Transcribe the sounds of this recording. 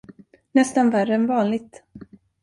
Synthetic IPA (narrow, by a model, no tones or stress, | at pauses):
nɛst̪anværːəɛnvɑːnlɪɡ̚t̪